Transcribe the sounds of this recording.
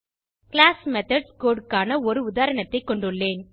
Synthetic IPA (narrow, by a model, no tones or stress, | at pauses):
kɭaːsmɛt̪ɐɖskoːɖkaːnɐɔɾɯʊðaːɾɐɳɐt̪ːɐɪkːɔɳɖɯɭːeːn